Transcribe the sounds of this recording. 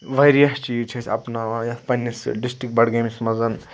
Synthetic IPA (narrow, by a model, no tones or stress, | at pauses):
ʋɐjɾijɐst͡ʃit͡ʃʰɐsʲʰɐ̰pnajɐt̪ʰpɐnʲːisɖisʈɾik̚bɐɽɡɐmismɐzɐn